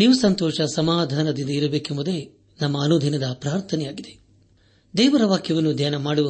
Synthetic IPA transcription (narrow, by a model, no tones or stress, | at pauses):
niʋusɐnt̪ɔːʂɐsɐmaːd̪ʱaːnɐd̪ind̪ɐiɾɐbeːkemud̪e | nɐmːɐːnoːd̪ʱɐnɐd̪ɐpɾaːɾt̪ʰɐnɛjaːɡid̪e̞ | d̪ɛːʋɐɾɐʋaːkʰjɐʋɐnːud̪ʱjaːnɐmaːɽuʋɐ